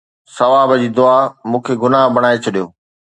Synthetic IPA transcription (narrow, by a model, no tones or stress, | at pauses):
sɐʋaːbəd͡ʑiːd̪ʊamũːkʰeɡʊnaːɦbɐɽ̃aːet͡ɕʰɐɗijoː